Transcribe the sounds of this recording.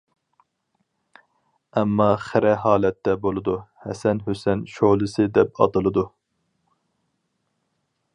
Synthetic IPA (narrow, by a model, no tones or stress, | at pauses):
ɛmːɑχɪɾɛɦɑːlɛt̪ːɛbolˠɨd̪uhɛsɛnɦøsɛnʃolˠɨsɨd̪ɛp̚ɑ̰t̪ɨlˠɨd̪u